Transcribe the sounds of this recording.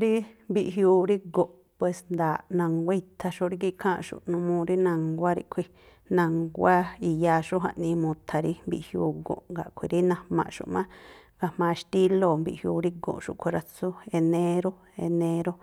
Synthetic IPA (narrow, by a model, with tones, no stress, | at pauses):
ɾi˦mbi˧ʔɦjuː˧ɾi˦ɡo˨ʔ | pwe˧snd̪aː˨ʔnã˧ŋɡʷe˦˧t̪ʰa˧ʃo˧ʔɾi˦ɡi˧kʰãː˦˧ʔʃṵ˨ʔnũ˧mũ˧ɾi˦nã˧ŋɡʷa˦ɾḭ˧ʔkʷʰi˧ | nã˧ŋɡʷa˦i˨jaː˧ʃu˦ɦa̰˧˨ʔnĩː˧mũ˧t̪ʰa˧ɾi˦mbi˨ʔhjuː˧ɡõ̰˨ʔŋɡa˨ʔkʷʰi˨ɾi˦nã˧mã̰˨ʔʃṵ˨ʔmã˦ | ɡ̥a˧hmãː˧ʃt̪i˦lo˧˨mbḭ˨ʔhjuː˧ɾi˦ɡõ̰˨ʔʃṵ˨ʔkʷʰi˧˨ɾa˧t͡su˦e˧nẽ˦ɾo˦ | ḛ˧nẽ˧ɾo˦